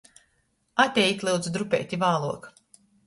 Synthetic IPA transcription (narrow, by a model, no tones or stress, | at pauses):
at̪ʲɛjit̪ʲlʲˠɨwd̪zd̪ɾupʲɛ̰ːt̪ʲivaːlˠuɔk